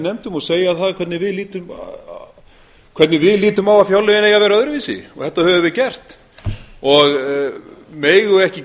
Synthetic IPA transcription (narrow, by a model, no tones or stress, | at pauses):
nɛmt̪ʏmɔseːjaθaðkʰɛt̪nɪvɪðliːt̪ʏm | kʰvɛɾt̪nɪvɪðliːt̪ʏmawafjawlʏɪnejɣavɛɾaœðɾʏviːsɪ̰ɔɣθɛht̪ːahœvʏvɪðcɛr̥t̪ | ɔɣ | meːjɣʏɛhcɪ